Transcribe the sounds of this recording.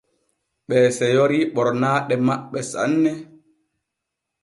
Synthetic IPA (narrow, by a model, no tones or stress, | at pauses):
ɓɛːsɛjɔɾiɓɔɾnaːɗɛmaɓɛsa̰nːɛ